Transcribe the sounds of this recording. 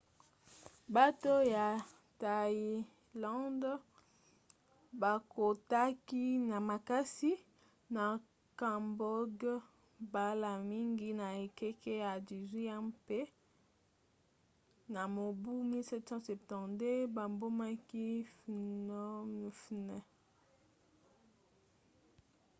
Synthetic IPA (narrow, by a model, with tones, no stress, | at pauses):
ba˦to˦ja˨ | ta˨i˨ | lɔ̃˦nd | ba˨ko˨ta˦ki˦na˨ma˨ka˦si˦ | na˨ | ka˨mbɔ˦ɡ | ba˦la˨mi˦ŋɡi˦na˨e˨kɛ˦ke˦ja˨di˨ʁi˦a˦pe˦ | na˨mo˨bu˦mi˦lsɛ˦tsɑ̃˦sɛ˨ptɑ̃˨de˦ba˨mbo˦ma˦ki˦f | fnɛ˨